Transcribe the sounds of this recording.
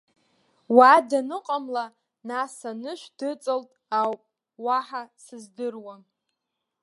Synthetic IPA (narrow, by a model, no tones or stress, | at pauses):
wadanɨqʼamla | nasanɨʃʷdɨt͡sʼɨltʼawpʼ | waħasɨzdɨrwa